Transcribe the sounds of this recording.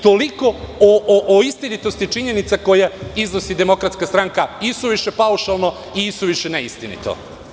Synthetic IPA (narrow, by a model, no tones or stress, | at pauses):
t̪o̞liko̞oʔʔoist̪init̪o̞st̪it͡ʂiɲe̞nit̪sako̞jeiznosid̪emo̞kɾat̪skast̪ɾaŋkaisuʋiʃepauʃalˠno | iisuʋiʃeneist̪inḭt̪o̰